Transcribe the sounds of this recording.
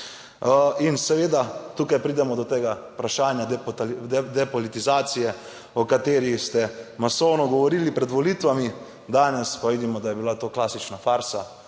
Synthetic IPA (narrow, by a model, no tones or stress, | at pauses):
insɛʋeːd̪at̪ukajpɾiːd̪ɛmɔd̪ɔt̪eːɡaupɾaʃaːnjad̪ | d̪ɛpɔlit̪izaːt̪sijɛ | ɔkat̪eːɾist̪ɛmasownɔɡɔʋɔɾiːlipɾɛd̪ʋɔliːt̪ʋami | d̪aːnɛspaʋiːd̪imɔd̪ajɛbilat̪oːklasit͡ʃnafaɾsa